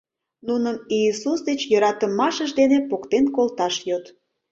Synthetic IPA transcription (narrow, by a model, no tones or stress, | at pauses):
nunəmiːsusd̪et͡ɕjəɾɑt̪əmɑʃəʒd̪enepokt̪enkolt̪ɑʃjot̪